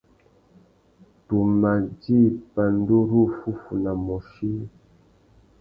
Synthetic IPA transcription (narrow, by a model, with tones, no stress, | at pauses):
tu˨ma˨d͡ʒi˦˨pa˨n˦do˦ɾu˦˨fu˦fu˨na˨mɔ˨ʃi˦